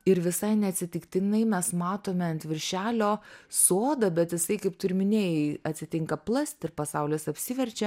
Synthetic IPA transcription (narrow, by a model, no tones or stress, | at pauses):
ɪɾʋʲɪsɐɪnʲɛɐt̪ʲsʲɪt̪ʲɪkt̪ʲɪnɐɪmʲɛsmɑːt̪oːmʲɛɐnʲt̪ʲʋʲɪɾʲʃʲæːlʲoːsoːd̪ɐbʲɛt̪jɪsɐɪkɐɪpt̪ʊɾʲɪmʲɪnʲeːjɛɪɐt̪ʲsʲɪt̪ʲɪŋkɐplˠɐsʲt̪ʲɪrpɐsɐʊlʲeːsɐpʲsʲɪʋʲɛɾʲt͡ʃʲɛ